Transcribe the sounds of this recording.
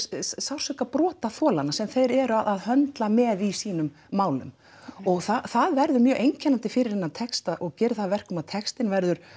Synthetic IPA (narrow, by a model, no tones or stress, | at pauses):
sawr̥sʏkapɾɔːt̪aθɔːlanasɛmθejɾɛɾʏaðʔaðhœnt̪lamɛːðisiːnʏmːaːwlʏ̰m | ɔɣθaθaðvɛɾðʏmjœːɣʔejɲcʰɛnant̪ɪfɪɾɪɾ̥hɛnːat̪ʰɛkst̪aɔɣcɛːɾɪθaðvɛr̥kʏmaðt̪ʰɛkst̪ɪnvɛɾðʏɾ̥